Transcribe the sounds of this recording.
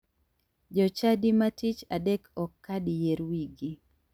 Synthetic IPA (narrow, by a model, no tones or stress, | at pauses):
d͡ʒɔt͡ʃadimatit͡ʃadekʰɔkːadijeɾwiɡi